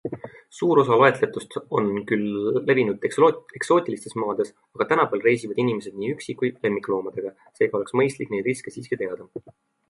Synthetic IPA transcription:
suːɾo̞s̬ɑloe̞t̪ˑle̞t̪ːust̪o̞nkylːe̞vinud̪̥ee̞kso̞ːt̪ʲˑilist̪e̞smɑːd̪̥e̞s | ɑɡ̥ɑt̪ænɑpæːlre̞jsivɑd̪inime̞s̬e̞d̪̥̚niːyksikujle̞mːikːlo̞ːmɑd̪̥e̞ɡ̥ɑ | se̞ːɡɑo̞le̞ksmɤjst̪likːˑnejd̪ɾiskesiːskit̪e̞ɑd̪̥ɑ

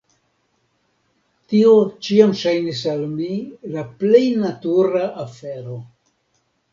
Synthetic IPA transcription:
tio̞t͡ʃiamʃajnisalmilaple̞jnatuɾaʔafe̞ɾo̞

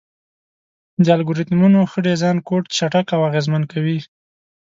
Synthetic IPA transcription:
d̪əalɡoɾɪt̪munoxəɖezɑnkoʈt͡ʃaʈakawaɣezmankawi

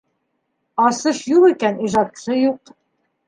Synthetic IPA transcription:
ɑsɤʃjuʁikæniʒɑt̪ʃɤjuq

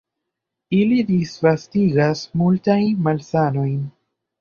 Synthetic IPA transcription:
ilidisfastiɡasmultajnmalsano̞jn

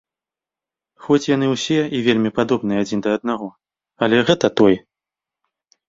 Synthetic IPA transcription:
xɔt͡sʲjanɨwsʲɛivʲelʲmʲipad̪ɔbnɨjɛad͡zʲind̪ɐːd̪̚naɣɔ | ɐlʲɛɣɛt̪ɐt̪ɔj

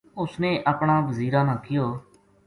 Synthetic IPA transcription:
ʊsneːʔaːpɳãːʋəziːɾãːnãːkɪjoː

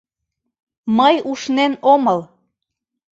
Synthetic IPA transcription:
məjuʃnenoməl

